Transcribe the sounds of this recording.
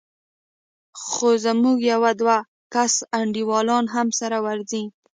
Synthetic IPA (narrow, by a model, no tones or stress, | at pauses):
xozamuɡjawad̪wa | kasaɳɖiwɑlɑnɦamsaɾawaɾzi